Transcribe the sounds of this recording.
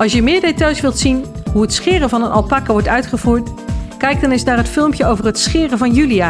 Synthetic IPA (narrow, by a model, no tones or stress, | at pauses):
ɑlˠsjəmɪːɹdetɑjsʋɪlˠtsinɦuɦətsχɪːrəvɑnənɑ̰lˠpɑkəʋɔɹtœɥtχəvuːɹtkɛjk̚dɑnɪsnaːrɦətfɪlˠmpjəowvərɦətsχɪːrəvɑnjyliaː